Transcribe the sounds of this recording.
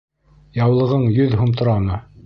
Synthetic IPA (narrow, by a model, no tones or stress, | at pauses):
jɑwlˠɤ̆ʁɤɴjɵðɦŭmt̪ŏɾɑmɤ